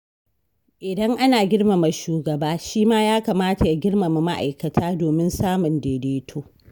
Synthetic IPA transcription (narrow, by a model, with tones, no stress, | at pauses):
ʔɪ˨dɐ˦ŋʔa˦naː˨ɡʲɪ˦ɽma˨ma˨ʃuː˨ɡɐ˨baː˦ʃiː˦maː˦jaː˦ka˨maː˦ta˨ja˦ɡʲɪ˦ɽma˨ma˨ma˦ʔa̰˨jkɐ˨tʰaː˦doː˨mɪ˦nsaː˦mʊ˨ndeː˨deː˦tʰoː˦